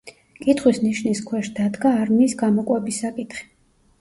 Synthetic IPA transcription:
kʼit̪ʰχwisniʃniskʰwɛʃd̪ad̪ɡaːɾmiːsɡamɔkʼwɛbisːakʼit̪χi̥

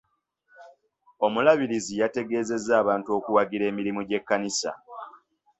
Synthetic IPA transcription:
o̞mulaβiɾizijate̞ɡe̞ːze̞zːaːβaːntuo̞kuwaɡiɾe̞ːmiɾimuɟe̞kːanisa̰

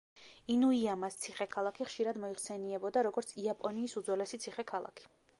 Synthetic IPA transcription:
inuiamast̪sʰiχɛkʰalˠakʰiχʃiɾad̪mɔiχsɛniɛbɔd̪aɾɔɡɔɾt̪sʰiapʼɔniːsud̪zwɛlɛsit̪sʰiχɛkʰalˠa̰kʰi̥

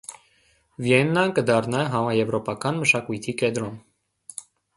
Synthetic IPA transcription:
vjɛnːɑnkəd̪ɑrnɑɦɑmɑjɛvɾɔpɑkɑnməʃɑkujt̪ʰikɛd̪ɾɔn

